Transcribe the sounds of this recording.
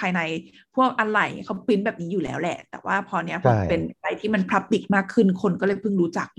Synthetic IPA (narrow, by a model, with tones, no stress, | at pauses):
pʰaː˧jna˧j | pʰu˥˩ək̚ʔa˧nɾa˨˩jkʰa˦˥wpi˦˥nbɛː˨˩p̚niː˦˥juː˨˩lɛ̰ː˨˦˥wlɛ̰˨˩ʔt̪ɛ̰ː˨˩wʔaː˥˩pʰɔː˧ni˦˥ɐpʰɔ˧pe˧na˧ɾa˧jt̪ʰiː˥˩ma˧npʰɾa˦˥p̚t̪i˨˩k̚maː˥˩kʰːɯ˥˩nkʰo˧nkɔː˥˩lːɤ˧˩jpʰɯ˥˩ŋɾuː˦˥t͡ɕa˨˩k̚